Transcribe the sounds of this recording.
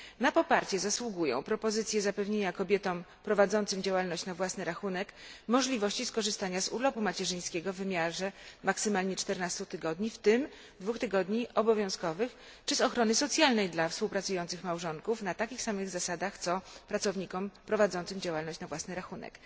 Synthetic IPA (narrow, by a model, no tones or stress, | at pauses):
napɔpaɾt͡ɕɛzaswuɡujɔ̰̃w̃pɾɔpɔzɘt̪sʲjɛzapɛvɲeɲakɔbʲjɛt̪ɔmpɾɔvad̪zɔnt̪sɘmd͡ʑawalnɔɕt͡ɕnavwasnɘɾaxunɛkmɔʐlʲivɔɕt͡ɕiskɔʐɘst̪aɲazṵlɔpumat͡ɕɛʐɘj̃skʲɛɡɔvːɘmʲjaʐɛmaksɘmalɲɛt͡ʂt̪ɛɾnast̪ut̪ɘɡɔd̪ɲift̪ɘm | d̪vuxt̪ɘɡɔd̪ɲiʔɔbɔvʲjɔ̃w̃skɔvɘxt͡ʂɘzɔxɾɔnɘsɔt̪sʲjalnɛjd̪lafspuwpɾat̪sujɔnt̪sɘxmawʐɔŋkufnat̪akʲixsamɘɣzasad̪axt̪sɔpɾat̪sɔvɲikɔmpɾɔvad̪zɔnt̪sɘmd͡ʑawalnɔɕt͡ɕnavwasnɘɾaxunɛ̰k